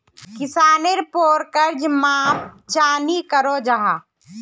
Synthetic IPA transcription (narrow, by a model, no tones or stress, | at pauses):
kɪsaːneɾpoːɾkəɾd͡ʒmaːp̚t͡ʃaːnikəɾod͡ʒaɦaː